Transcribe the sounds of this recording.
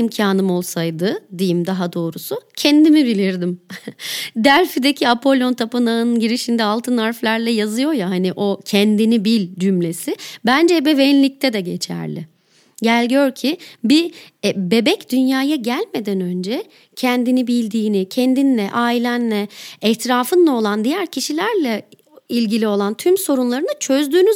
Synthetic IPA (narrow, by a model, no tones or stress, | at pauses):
imcʰaːnɯmo̞lˠsajd̪ɯd̪ijimd̪aɦad̪o̞ːɾusucʰɛnd̪imibilʲiɾd̪im | d̪æɾfid̪ecʰiapʰo̞lʲo̞nt̪ʰapɯnaɯnɯnɟiɾiʃind̪ɛalˠt̪ʰɯnaɾflʲæɾlʲɛjazɯjo̞jaɦaniʔo̞cʰɛnd̪inibilʲd͡ʒymlʲe̞sɪbænd͡ʒɛbe̞venlʲic̚t̪ʰɛd̪ɛɟe̞t͡ʃʰæ̰ɾlʲɪ̰ | ɟælʲɟøɾcʰibibe̞bɛcd̪ynjaːjaɟælʲme̞d̪ænø̞nd͡ʒɛ | cʰɛnd̪inibilʲd̪iːnicʰɛnd̪inlʲɛʔaːilʲænlʲɛɛht̪ʰiɾaːfɯnlˠao̞lˠand̪ijæɾcʰiʃilʲæɾlʲɛ | ilʲɟilʲio̞lˠant̪ʰymso̞ɾunlˠaɾɯnat͡ʃʰø̞zd̪yːny